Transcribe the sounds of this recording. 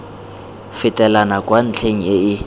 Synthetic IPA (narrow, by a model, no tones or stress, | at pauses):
fɪtʼɛlanakʼwan̩t͡ɬʰeŋ̩ɪɪ